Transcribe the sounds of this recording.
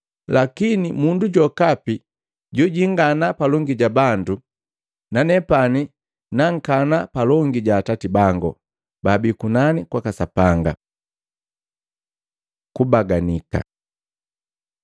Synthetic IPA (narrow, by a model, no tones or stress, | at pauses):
lakinimunduɟɔkapi | ɟuɟiŋɡanapalɔŋɡiɟabandu | nanɛpani | naŋ̩kanapalɔŋɡiɟaːtatibaŋɡɔ̰ | babikunanikwakasapaŋɡa | kubaɡanika̰